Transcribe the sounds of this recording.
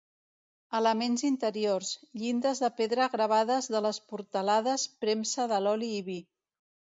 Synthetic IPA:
ələmenzint̪əɾiorzʎind̪əzðəpeðɾəɣɾəβ̞aðəzðələspuɾt̪əlaðəspɾemsəðəlɔliːβi

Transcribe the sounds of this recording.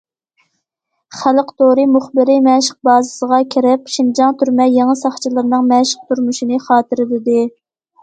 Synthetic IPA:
χæləqt̪ʰoɾɨmuχbɪɾɪmɛʃəq̚bɑːzɨsəʁɑkʲʰiɾɪpʃind͡ʒɑŋt̪ʰyɾmɛjeŋɨsɑχt͡ʃʰilˠɨɾnɨŋmɛʃə̥q̚t̪ʰuɾmuʃinɨχɑːt̪ɨɾɪlɪd̪ɪ

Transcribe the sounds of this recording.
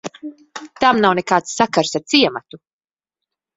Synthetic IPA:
t̪amnawnekaːt̪sːakaɾsaɾt̪siɛmat̪u

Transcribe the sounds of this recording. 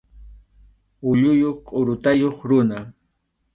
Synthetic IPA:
ʊʎʊjoχqʼʊɾʊt̪ajoχɾʊna

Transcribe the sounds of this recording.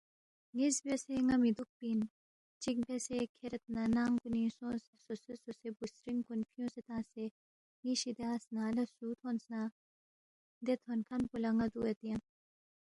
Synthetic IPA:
ŋizbeseŋɐmid̪uk̚pin | t͡ʃik̚besekʰeɾɐt̪̚nɐnaːŋkunisõːsesosososebusɾiŋkunpʰijõːset̪ãːse | ŋiʃid̪aːsnaːlɐsuːt̪ʰonsna | d̪et̪ʰonkʰɐnpulɐŋɐd̪uɐt̪iɐ̃n

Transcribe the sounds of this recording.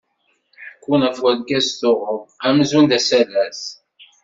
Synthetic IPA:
ħəkːunæfwæðɡæsθʊʁəvæmzund̪æsælæs

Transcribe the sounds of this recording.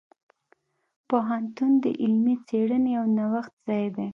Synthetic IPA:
poɦant̪und̪ə̰ʔɪlmit͡seɽənejawnawaxt̪z̥ɑjd̪e

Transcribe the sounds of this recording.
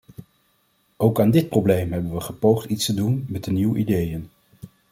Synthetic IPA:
owkaːndɪt̚prowblejmɦɛbənʋəχəpowχtitstədunmɛdəniwʔḭdejən

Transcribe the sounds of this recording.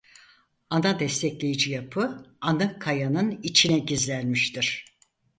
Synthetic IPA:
anad̪ɛst̪ʰɛclʲe̞jid͡ʒijapʰɯanɯkʰajanɯnit͡ʃʰinɛɟizlʲænmiʃt̪iɾ̥

